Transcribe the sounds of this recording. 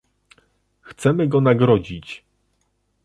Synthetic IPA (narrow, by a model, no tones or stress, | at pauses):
xt̪sɛmɘɡɔnaɡɾɔd͡ʑit͡ɕ